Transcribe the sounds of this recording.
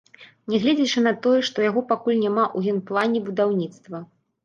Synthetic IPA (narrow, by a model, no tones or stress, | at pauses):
nʲɛɣlʲɛd͡zʲɛt͡ʂɨnɐt̪ɔjɛʂt̪ɔjaɣɔpakulʲnʲamaʔuɦʲɛnplˠanʲɛbud̪awnʲit̪st̪vɐ